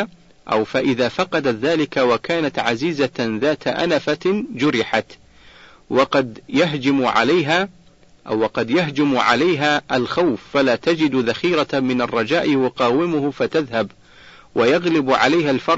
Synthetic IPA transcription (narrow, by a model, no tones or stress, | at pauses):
ʔa̰wfaʔɪðaːfɑqɑd̪at̪ðaːlɪkawakaːnat̪ʕaziːzaðaːt̪aʔa̰nafad͡ʒʊɾɪħat̪ | wɑqɑd̪jaɦd͡ʒɪmʕa̰lajɦaː | ʔa̰wːɑqɑd̪jaɦd͡ʒɪmʕa̰lajɦaːʔalxawfːalaːt̪ad͡ʒɪd̪ðaxiːɾamɪnarˤːɑd͡ʒaːʔwɑqɑːwɪmʊhfat̪aðhab | wajɑɣlɪbʕalajɦalfɑɾˤ